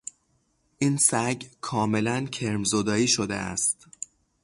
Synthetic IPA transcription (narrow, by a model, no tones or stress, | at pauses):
ʔiːnsæɡkʰɒːme̞læncʰe̞ɾmzod̪ɒːiːʃod̪ḛæ̰st̪